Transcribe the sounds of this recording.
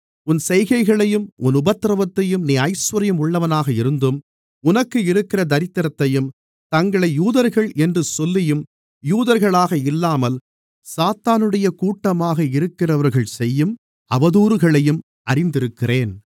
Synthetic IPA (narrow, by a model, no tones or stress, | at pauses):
ʊnsɛjɣɐɪɣɐɭɐjɯmʔʊnʊbɐt̪ːɾɐʋɐt̪ːɐjɯmniːɐɪsʋɐɾɐjɯmʊɭːɐʋɐnaːɣɐɪɾɯnd̪ɯm | ʊnɐkːɯɪɾɯkːɪrɐd̪ɐɾɪt̪ːɪɾɐt̪ːɐjɯm | t̪ɐŋɡɐɭɐɪjuːðɐɾɣɐɭʔɛndrɯsɔlːɪjɯm | juːðɐɾɣɐɭaːɣɐɪlːaːmɐl | saːt̪aːnɯɽɐjɐkuːʈːɐmaːɣɐɪɾɯkːɪrɐʋɐɾɣɐɭsɛjːɯm | ɐʋɐðuːɾɯɣɐɭɐjɯm | ɐɾɪnd̪ɪɾɯkːɪreːn